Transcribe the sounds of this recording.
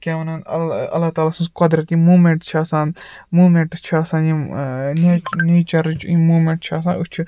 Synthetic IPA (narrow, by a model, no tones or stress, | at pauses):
kʲeɐnɐnɐɐ̰lːat̪aːlaːsũskɐd̪ɾɐt̪imuːmẽɳʈt͡ʃʰaːsãːnmuːmẽɳʈt͡ʃʰaːsãːjineneːt͡ʃɐɾit͡ʃʰimuːmeɳʈt͡ʃʰaːs̬ãːnut͡ʃʰu